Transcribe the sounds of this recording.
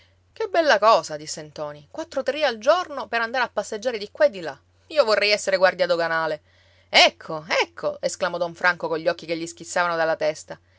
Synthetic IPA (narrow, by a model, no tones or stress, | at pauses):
k̟ebːɛlːakɔːsad̪isːent̪ɔːnikwat̪ːɾot̪ɾiald͡ʒornopeɾand̪aɾeapːasːed͡ʒːaːɾed̪ikwaed̪ːila̰ | iːovorːɛjɛsːeɾeɡward̪jad̪oɡanaːle | ɛkʰːoɛkʰːoesklamɔd̪ɔɱfɾʔaŋkokoʎːɔkːikeʎːisk̟it̪sːaːvanod̪alːat̪ɛst̪a